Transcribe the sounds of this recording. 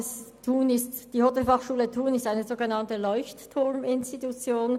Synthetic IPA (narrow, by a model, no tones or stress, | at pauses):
stʰuːnɪstd̥iːhotɛlfɑχʃuːlətʰuːnɪstaɪnəzoːɡənɑntəlɔʏçtːʰʊʁmɪnstitut͡sjoːn